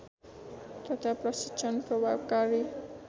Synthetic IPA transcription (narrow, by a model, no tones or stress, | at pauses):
t̪ʌt̪ʰaprʌsit͡sʰʌnprʌbʱabkaɾi